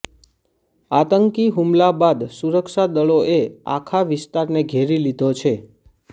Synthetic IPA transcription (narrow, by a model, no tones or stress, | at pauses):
at̪əŋkiɦumlabad̪suɾəkʃad̪əɭoʔea̰kʰaʋɪst̪aɾneɡʱeɾilid̪ʱot͡ʃʰe